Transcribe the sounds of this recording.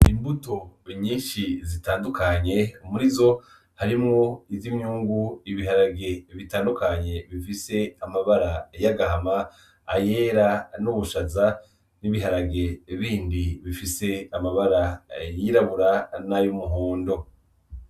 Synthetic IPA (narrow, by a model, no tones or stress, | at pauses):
imbuto̞iɲiːʃizitaːndukʰaɲe̞umuɾizo̞ | haɾimŋoizimɲuːŋɡuiβiɦaɾaɡe̞βitaːndukaɲe̞βifise̞amaβaɾajaɡaɦama | aje̞ːɾanuβuʃaza | niβiɦaɾaɡe̞βiːndiβifise̞amaβaɾajiɾaβuɾanajumuɦoːndo̞